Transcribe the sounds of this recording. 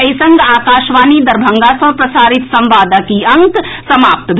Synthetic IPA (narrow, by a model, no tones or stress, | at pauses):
əjsə̃ŋɡaːkaːʃʋaːnid̪ɐɾbʱə̃ŋɡasɐ̃pɾɐsaːɾɪt̪sɐ̃mʋaːd̪akiɐ̃ŋksɐmaːp̚t̪bʱ